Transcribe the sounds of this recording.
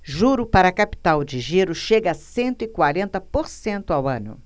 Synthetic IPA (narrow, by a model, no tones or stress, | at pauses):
ʒuɾʊpaɾɐkapi̥t̪awd͡ʒɪʒiɾʊʃeɡɐɐsẽnt̪ʊɪkwaɾẽnt̪ɐpoɾsẽnt̪ʊawɐ̃nʊ̰